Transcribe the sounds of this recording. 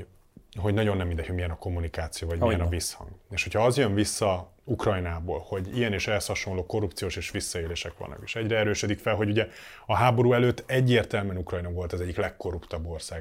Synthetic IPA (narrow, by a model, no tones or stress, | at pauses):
ɦo̞ɟnɒɟonːɛmːind̪ɛcʰhoɟmijɛnɒko̞mːunikaːt̪sijoːvɒɟmiɛnɒvishɒ̰ŋɡeːʃho̞cʰhɒɒzjøɱvisːɒ | ukrɒjnaːbo̰ːlho̞ɟijɛneːʃɛɛshɒʃo̞nloːko̞rːupt̪sijoːʃeːʃʋisːɒeːleːʃɛkʋɒ̰lnɒ̰ke̥ːʃɛɟrɛɛɾøːʃød̪ikfɛlɦo̞ɟuɟɛ | ɒɦaːbo̞ɾuːɛløːt̪ːɛɟːeːrt̪ɛlmɛnukrɒjnovo̞lt̪ɒzɛɟːiklɛkːo̞rupt̪ɒbːo̞rsaːɡ